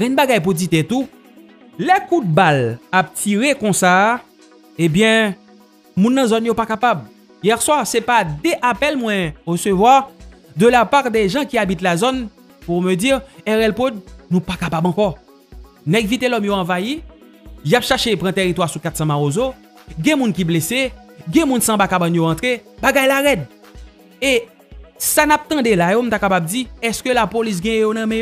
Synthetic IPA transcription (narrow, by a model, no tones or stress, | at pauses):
ʁɛ̃nbaɡajp̬udit̪ɛt̪u | lɛkud̪̚balap̚tiʁekɔ̃sa | ebjɛ̃ | mũnːɐ̃zɔnjopakapab | jɛʁswaʁsɛpad̪eʔapɛlmwɛ̃ʁəsøvwaʁ | d̪əlapaʁd̪ɛʒɑ̃kiabit̪lazɔn | puʁmød͡ziʁɛʁɛlpod̪̚nũpakapabɑ̃kɔ | nɛ̃ɡvit̪elɔmjoãvaji | japʃɛʃepʁɑ̃t̪eʁit̪waʁsukat̪sɐ̃maʁozo | ɡɛ̃mũnkibleseɡɛ̃mũnsɐ̃bakabãnjoʁãt̪ʁebaɡajlaʁɛd̪̚ | e | sanap̚t̪ɐ̃d̪elajom̩t̪akapab̚d͡ziɛskølapolis̬ɡɛ̃jɛ̃jonãmɛ̃jo